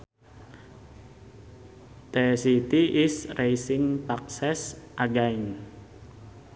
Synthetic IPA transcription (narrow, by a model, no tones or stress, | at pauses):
t̪esit̪iʔːsrejsɪŋpak̚sɛsʔaɡain